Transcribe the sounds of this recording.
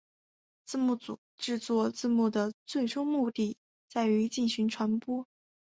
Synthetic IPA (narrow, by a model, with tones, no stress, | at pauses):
t͡sɹ̩˥˧mu˥˩t͡su˨˩ʈ͡ʂɻ̩˥˧t͡swɔ˥˧t͡sɹ̩˥˧mu˥˩d̪ə˩t͡swe˥˩ɪʈ͡ʂʊ˥ŋmu˥˧t̪i˥˩ | t͡sa˥˩ɪy˧˥t͡ɕi˥˩nɕy˧˥nʈ͡ʂʰwa˧˥npwɔ˥